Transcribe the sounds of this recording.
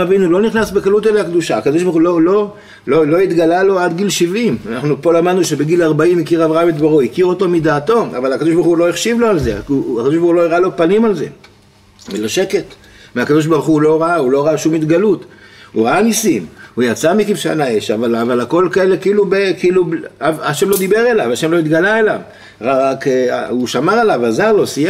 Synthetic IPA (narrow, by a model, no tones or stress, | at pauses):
avinulo̞niχnasbekalut̪eleakd̪uʃaːkad̪oʃbaʁχulo̞lo | lolo̞it̪ɡalalo̞ad̪ɡilʃivimanaχnupo̞lamad̪nuʃe̞beɡilaʁbaimikiʁavʁaamit̪baʁoikiʁo̞to̞mid̪aːto̞ʔa̰valakad̪o̞ʃbaʁχulo̞eχʃivlo̞alze̞̰akadoʃbaʁχulo̞iʁalo̞panimalze̞̰ | eloʃe̞ke̞t | meakad̪o̞ʃ̬baʁuχulo̞ʁaaulo̞ʁaaʃumit̪ɡalut̪uʁaanisimujat͡samikifʃa̰naeʃavalavalako̞lkae̞le̞kiiːlubekiːluaaʃemlo̞d̪ibe̞ʁe̞lavaʃemlo̞it̪ɡalaelav | ʁaakauʃamaʁalavazaʁlo̞sija